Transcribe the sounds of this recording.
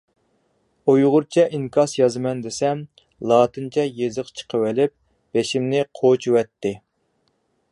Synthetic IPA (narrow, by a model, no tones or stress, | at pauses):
ojʁʊɾt͡ʃʰɛʔiŋkʰɑsjɑzɨmɛnd̪ɪsɛm | lˠɑːt̪ʰɨnt͡ʃʰɛjezɨqt͡ʃʰə̥qʰəwɪlɪp̚ | b̥eʃimnɪqʰot͡ʃʰuwɛt̪ːɪ